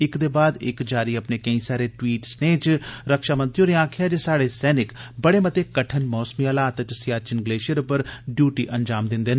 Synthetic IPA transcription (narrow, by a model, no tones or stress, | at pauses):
ɪkd̪eːbaːd̪ɪkd͡ʒaːɾiːəpneːkəĩːsaːɾeːʈwiːʈsneːt͡ʃɾəkʃaːmə̃nt̪ɾijoːneãːkʰɪjaːd͡ʒeːsaːɽeːsɛːnɪkbəɽeːmət̪eːkəʈʰənmɔːsmiːəlaːt̪t͡ʃsɪjaːt͡ʃɪnɡleːʃəɾpəɾɖjuːʈiːʔənd͡ʒaːmd̪ɪnd̪eːnː